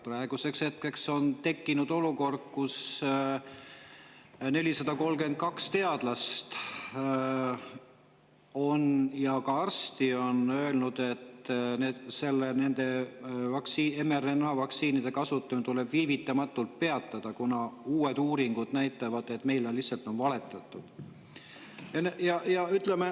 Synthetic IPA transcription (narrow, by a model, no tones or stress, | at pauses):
prɑe̞ɡ̥use̞kshe̞t̪̚ke̞kso̞nt̪e̞kːinud̪o̞luko̞rd̪̥̚kus | ne̞lisɑd̪̥ɑko̞lke̞nt̪̚kɑkst̪e̞ɑd̪̥lɑst̪ | o̞njɑkɑɑrst̪io̞nø̞elnud̪̥e̞t̪neːd̪se̞lːene̞nd̪̥e̞vɑksiːemeɾenɑvɑksiːnid̪̥e̞kɑsut̪ːˑunt̪ule̞b̥viːvit̪ːˑɑmɑt̪ːˑult̪̚pe̞ɑt̪ːˑɑd̪̥ɑkunɑuːe̞d̪uːɾiŋɡ̥ud̪næjt̪ːˑɑvɑd̪̥e̞t̪ːme̞jlelihsɑlt̪ːˑo̞nvɑle̞t̪ːˑɑt̪ːˑud̪̥ | jɑnejɑjɑyt̪le̞me